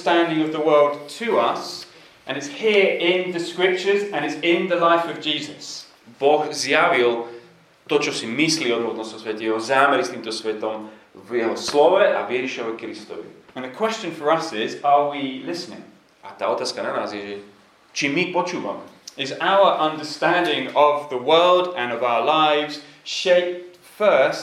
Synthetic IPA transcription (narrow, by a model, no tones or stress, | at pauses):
stæ̃ndɪ̃ŋʌvðəwɜ˞lˠdtʰɨʌs | ʔə̃nɪtshiəɹɪ̃nðəskɹɪp̚t͡ʃə˞zə̃nɪtsɪ̃nðəlaɪfʌvd͡ʒiːzəs | bɔɣzjaʋilˠ | t̪ɔt͡ʃɔsimisliɔd̪mɔt̪nɔsɔsʋɛt̪ɛjɛɦɔzaːmɛɾist̪ĩːmt̪ɔsʋɛt̪ɔmvjɛɦɔslɔʋɛʔa̰vjɛʒiʃɛɦɔkɾist̪ɔ̰ʋḭə̃nðəkʰwɛst͡ʃə̃nfəɹɐsɪzəwilɪsnɪ̰̃ŋ | ʔa̰t̪aːɔt̪aːskananaːzjɛʒɛ | t͡ʃimipɔt͡ʃuːva̰mɛ | ɪzaʊəʔʌ̃ndəstæ̃ndɪ̃ŋəvðəwɜːlˠdə̃nɔvaʊəlaɪvz̥ | ʃɛɪp̚t | fɜs